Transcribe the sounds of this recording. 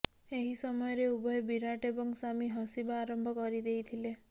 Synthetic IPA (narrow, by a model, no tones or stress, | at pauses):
eɦisɔmɔjɔɾeubɔebiɾaʈebɔŋsamiɦɔsibaːɾɔmbʱɔkɔɾid̪ejt̪ʰile